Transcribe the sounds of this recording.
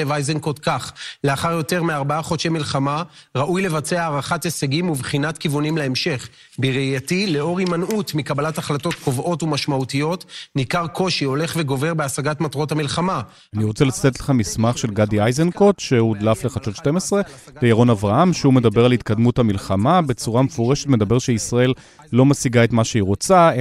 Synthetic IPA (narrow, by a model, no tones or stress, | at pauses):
evajzenkotkaχleaχaʁjo̞te̞ʁmeaʁbaaχo̞t͡ʃemilχamaʁaʔujle̞vat͡seaːʁaχateseɡimuvχinatkivunimlaemʃe̞χ | biʁijatile̞o̞ʁimanutmikabalataχlato̞t̚ko̞vo̞tumaʃmautijo̞tnikaʁkʰo̞ʃio̞le̞χve̞ɡo̞ve̞ʁbeasaɡatmatʁo̞tamilχama | aniʁo̞t͡selat͡sḁt̪etleχamismaχʃe̞lɡadiajzenko̞tʃeud̪lafleχat͡ʃot̪ʃte̞mesʁe̞bejaʁo̞navʁaamʃeume̞d̪abe̞ʁalhit̪̚kad̪muthamilχamabe̞t͡suʁamefoʁe̞ʃet̪me̞d̪abe̞ʁʃeisʁae̞lː | o̞masiɡae̞t̪maʃeiʁo̞t͡sa